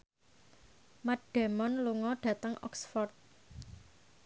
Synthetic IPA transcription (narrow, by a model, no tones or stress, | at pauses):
maɖ̥ɛ̤mɔnluŋɔɖ̥ä̤t̪əŋɔ̰ksfɔrt̪̚